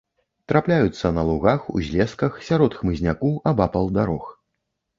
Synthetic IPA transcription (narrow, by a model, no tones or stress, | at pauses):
t̪ɾʔaplʲajut̪sːɐnɐlˠuɣaxṵzʲlʲɛskɐxsʲaɾɔt̪xmɨzʲnʲakuʔɐbapɐlˠd̪aɾɔx